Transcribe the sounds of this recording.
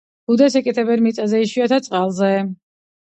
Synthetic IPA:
ɡ̥ud̪ɛsɛkʼit̪ʰɛbɛɾmit̪sʼazɛiʃwiat̪ʰat̪sʼqʼalˠzɛ

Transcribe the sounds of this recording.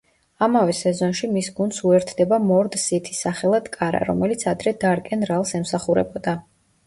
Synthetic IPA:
amavɛsɛzɔnʃimisɡund̪suɛɾt̪ʰd̪ɛbamɔɾd̪sit̪ʰi̥saχɛlˠad̪̥kʼaɾa̰ɾɔ̰mɛlit̪sʰad̪ɾɛd̪aɾkʼɛnɾalˠsɛmsaχuɾɛbɔd̪a

